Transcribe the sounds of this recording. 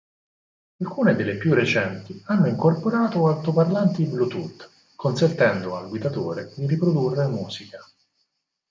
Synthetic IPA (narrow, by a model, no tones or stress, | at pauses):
alkuːned̪elːepjurːet͡ʃɛnt̪ianːoiŋkorpoɾaːt̪oaw̪t̪oparlant̪iblut̪ut̪ː | kʰonsent̪ɛnd̪oalɡwid̪at̪oːɾed̪iɾipɾod̪urːemuːzika